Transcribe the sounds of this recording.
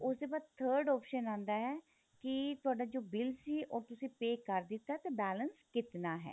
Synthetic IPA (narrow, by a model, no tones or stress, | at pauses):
ʊsd̪eːbaːd̪̚t̪ʰəːɾɖɔːpʃənãːnd̪aːɦɛː | kɪt̪ʊaːɖaːd͡ʒoːbɪlsiːʔɔːɾt̪ʊsĩːpeːkəɾd̪ɪt̪ːaːɛt̪aːbɛːlənskɪt̪naːɦɛ̰ː